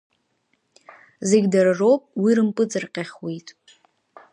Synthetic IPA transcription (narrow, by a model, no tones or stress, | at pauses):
zeɡʲdarrowpʼwirɨmpʼɨt͡sʼɨrqʲʼaχwitʼ